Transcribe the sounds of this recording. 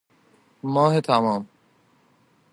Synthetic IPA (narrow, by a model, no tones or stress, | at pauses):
maːɦet̪ʰamaːm